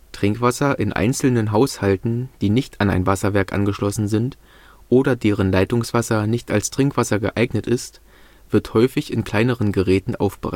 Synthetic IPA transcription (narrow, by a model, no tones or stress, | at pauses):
tʁ̥ɪŋkv̥asɐʔɪnʔa̰ɪnt͡sl̩nənɦaʊshaltn̩d̥iːnɪçtana̰ɪnvasɐvɛɐkʔa̰nɡəʃlɔsn̩zɪnt | ʔoːɾɐdeːʁ̞ənlaɪtʊŋsv̥asɐnɪçta̰lstʁ̥ɪŋkv̥asɐɡə̰ʔaɪɡnətɪst | v̥ɪɐthɔʏfɪçɪnkʰl̥aɪnəʁənɡəʁɛːtn̩ʔa̰ʊfb̥əʁa̰ɪ